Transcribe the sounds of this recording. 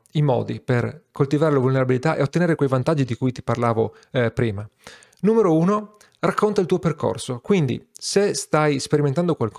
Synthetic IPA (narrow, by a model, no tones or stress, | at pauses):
imɔ̰ːd̪iperkolt̪ivaːɾelavulneɾabilit̪aʔḛot̪ːeneːɾekwejvant̪ad͡ʒːid̪ikujt̪i̥parlaːvo | pɾiːma | nuːmeɾouːno | rakʰːont̪ailt̪uːoperko̰rsokwind̪ḭsest̪ajspeɾiment̪and̪okwalk